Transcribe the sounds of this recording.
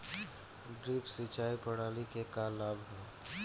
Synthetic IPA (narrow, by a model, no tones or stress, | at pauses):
ɖɾiːpsit͡ʃaːipəɽaːlikekalaːbʱɦɛː